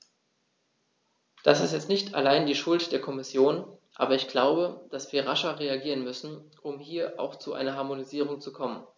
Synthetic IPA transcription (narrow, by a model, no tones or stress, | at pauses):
d̥asɪstjɛt͡stnɪçtʰa̰laɪndiːʃʊltd̥eːɐkʰɔmɪsjoːnʔa̰ːbɐɪçɡ̥laʊbəd̥asv̥iːɐʁaʃɐʁeaɡiːʁ̞ənmʏsn̩ | ʔʊmhiːɐʔa̰ʊxt͡suʔa̰ɪnɐɦaɐmoniziːʁ̞ʊŋt͡sukʰɔmən